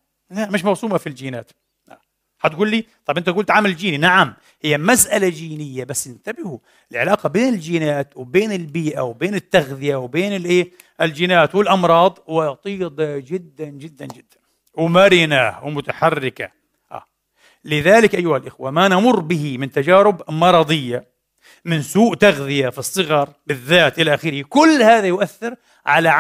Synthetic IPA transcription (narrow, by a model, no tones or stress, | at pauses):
lamɪʃ̬mɑwsˤuːmafild͡ʒiːnaːt̪ | la̰ | ħat̪ɡuːlːiːt̪ˤɑjbʔɪnt̪aɡuːlt̪ʕaːmɪlɪld͡ʒiːninaʕam | hɪjːamasʔalad͡ʒiːnɪjːabasːɪnt̪abɪhu | ʔɪlʕɪlaːqɑbeːnɪld͡ʒiːnaːt̪wbeːnɪlbiːʔawbeːnɪt̪ːaɣðɪjawbeːnɪlʔeː | ʔɪld͡ʒiːnaːt̪wɪlʔɑmɾˤɑːd̪ˤwɪt̪ˤiːd̪ad͡ʒɪd̪ːand͡ʒɪd̪ːand͡ʒɪd̪̥ːan | wmaɾiːnaːhwmʊt̪aħarːɪka̰ | ha̰ | lɪðaːlɪkʔajːʊhalʔɪxwamanamʊrːbɪɦimɪnt̪ad͡ʒaːɾɪbmɑɾˤɑːd̪ˤɪjːa | mɪnsuːʔt̪aɣðɪjafisˤːɨɣɑɾˤbɪðːaːt̪ʔɪlaʔaxiːɾhikʊlːhaːðajʊʔaθːɪɾ | ʕa̰laʕ